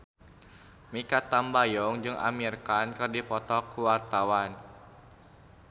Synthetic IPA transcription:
mikat̪ambajɔŋd͡ʒɨŋʔa̰mirkankɨrdipɔt̪ɔkuwart̪awan

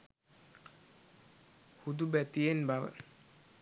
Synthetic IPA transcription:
hud̪ubɛt̪ijenbaʋə̰

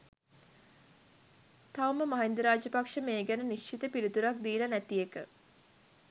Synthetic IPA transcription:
t̪awməmaɦend̪əɾaːd͡ʒəpakʂəmeːɡænəniʃt͡ʃʰit̪əpiɾit̪uɾak̚d̪iːlɐnæt̪ijekə

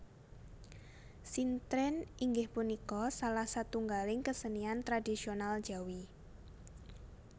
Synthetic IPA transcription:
sint̪ɾɛniŋɡɪhpunikɔsalahsat̪uŋɡalɪŋkəsəniant̪ɾadisional̥d͡ʒ̥awi

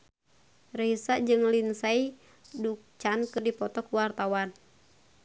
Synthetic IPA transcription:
risad͡ʒɨŋlinsai | duk̚t͡ʃankɨrdipɔt̪ɔkuwart̪awan

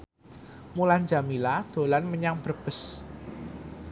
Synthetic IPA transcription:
muland͡ʒa̤milad̪̥o̤lanməɲaŋb̥ərb̥ə̤s

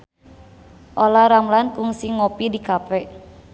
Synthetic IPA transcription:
ʔolaɾamlankʊŋsiŋopidikapɛ

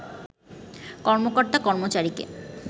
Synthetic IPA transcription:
kɔɾmokoɾt̪akɔɾmot͡ɕaɾikḛ

